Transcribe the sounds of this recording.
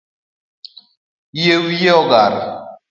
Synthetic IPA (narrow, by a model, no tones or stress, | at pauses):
jewjeɔɡaɾ